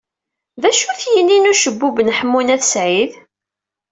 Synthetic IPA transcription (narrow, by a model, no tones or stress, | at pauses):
ðæʃuθjənːinuʃəbːubnəħəmːunæθsʕið